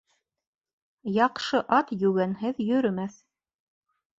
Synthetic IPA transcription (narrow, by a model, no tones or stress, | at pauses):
jɑqʃɤʔɑt̪jʉɡænɦɘðjɵ̆ɾɵ̆mæθ